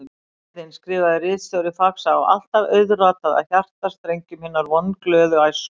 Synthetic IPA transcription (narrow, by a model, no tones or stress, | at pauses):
ɪnskɾɪːvaðɪrɪːsœɾɪfaksaɔa̰l̥t̪avœɥðraːt̪aða̰ðçar̥t̪ast̪ɾejɲcʏmhɪnaɾvɔnklœːðʏɣajs